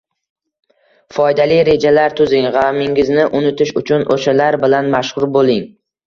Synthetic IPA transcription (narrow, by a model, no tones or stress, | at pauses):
fɒjd̪alijɾe̞d͡ʒalaɾt̪ʰʊzɪŋʁamɪŋɪznɪʔʊnɪt̪ʰɪʃʊ̰t͡ʃʰʊnʔoʃalaɾbɪlanmaʃχʊɾbolˠɪŋ